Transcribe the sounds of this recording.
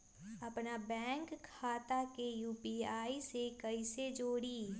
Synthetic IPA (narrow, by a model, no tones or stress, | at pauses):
ɐpnabɛ̃ːŋkʰːaːt̪akejuːpiaːisekɐised͡ʒoːɽiː